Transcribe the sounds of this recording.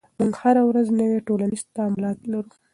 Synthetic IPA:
muŋɡhaɾawɾaznəweʈolanizt̪amʊlɑt̪laɾu

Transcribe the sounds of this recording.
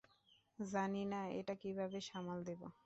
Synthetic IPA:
zaninaḛʈakibʱabeʃamold̪ebo̰

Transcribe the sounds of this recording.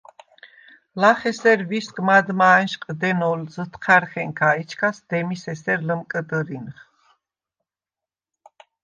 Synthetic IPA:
laχɛsɛɾviskʼmad̪manʃqʼd̪ɛnɔlzət̪ʰχʰaɾχɛŋkʰait͡ʃʰkʰasd̪̥ɛmisɛsɛɾləmkʼəd̪əɾinχ

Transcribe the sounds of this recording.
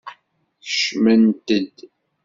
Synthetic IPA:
θə̥ʃmənt̪əd̪

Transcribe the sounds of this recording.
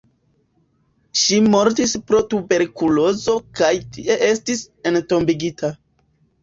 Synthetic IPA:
ʃimo̞ɾtispɾo̞tube̞ɾkulo̞zo̞kajtiʔe̞ʔe̞stis | e̞nto̞mbiɡitʰa

